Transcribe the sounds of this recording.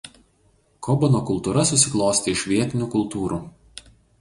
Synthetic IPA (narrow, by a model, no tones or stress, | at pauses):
kʰɔbɔnokʊlˠt̪uːɾɐsʊsʲɪklˠɔʊsʲt̪ʲeɪʃʲʋʲiɛt̪ʲɪnʲuːkʊlˠt̪uːɾuː